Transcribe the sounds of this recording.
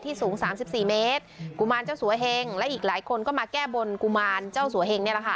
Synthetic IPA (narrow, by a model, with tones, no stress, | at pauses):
t̪ʰiː˥˩suː˩˦ŋsaː˩˦msi˨˩p̚siː˨˩meː˦˥t̪̚ku˧˩maː˧nt͡ɕa˥˩wsu˨˩˦ɐɦe˧ŋlɛ˦˥ʔiː˨˩k̚laː˩˦jkʰo˧nkɔː˥˩maː˧kɛː˥˩bo˧nku˧maː˧nt͡ɕaː˥˩wsu˨˩˦ɐhe˧ŋni˥˩la˨˩kʰa˥˩